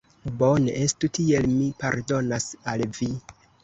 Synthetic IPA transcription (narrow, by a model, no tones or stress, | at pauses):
bo̞nḛʔestutie̞lmipaɾdo̞nasalvi